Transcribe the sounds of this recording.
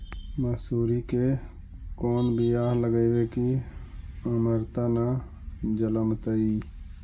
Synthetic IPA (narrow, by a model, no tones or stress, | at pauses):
məsuːɾike | koːnbʱijaːɦləɡəiʋeki | əməɾt̪ana | d͡ʒələmt̪əiː